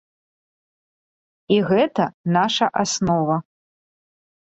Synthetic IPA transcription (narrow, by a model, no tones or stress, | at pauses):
iɣɛt̪ɐnaʂɐʔasnɔvɐ